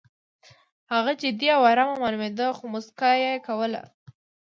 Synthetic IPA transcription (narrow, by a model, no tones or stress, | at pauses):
haɣad͡ʒɪd̪iawaɾamamalmed̪əxomʊskajekawəla̰